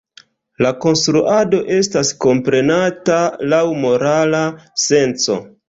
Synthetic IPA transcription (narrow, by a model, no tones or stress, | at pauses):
lako̞nstɾuʔado̞ʔe̞stasko̞mpɾe̞natalawmo̞ɾalase̞nt͡so̞̰